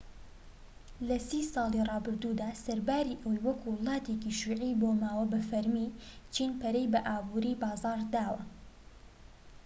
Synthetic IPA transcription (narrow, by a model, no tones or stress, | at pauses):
lɐsiːsɑːlˠirɑːbɨɾd̪uːd̪aːsɐɾbaːɾiːʔɐwɐjwɐkuwlˠɑːt̪eːkiʃiːʕiːboːmaːwɐbɐfɐɾmit͡ʃʰiːnpɐɾejbɐʔaːbuɾiːbɑːzɑːɾd̪aːwɐ